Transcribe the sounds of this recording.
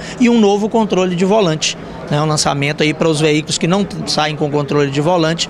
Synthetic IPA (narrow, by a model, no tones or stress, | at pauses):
ɪũnovʊkõnt̪ɾolɪd͡ʒɪvolɐ̃t͡ʃɪ̥ | nɛũlɐ̃sa̰mẽnt̪ʊaipɾɐʊzveikʊlʊskɪnɐ̃w̃saẽj̃kõkõnt̪ɾolɪd͡ʒɪvolɐ̃t͡ʃɪ̥